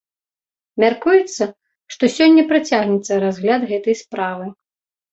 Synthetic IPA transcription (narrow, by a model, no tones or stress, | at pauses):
mʲarkujɛt̪sːɐ | ʂt̪ɔsʲɔnʲːɐpɾɨt͡sʲaɣnʲɛt̪sːɐɾazɣlʲad̪ɣɛt̪ɐjspɾavɨ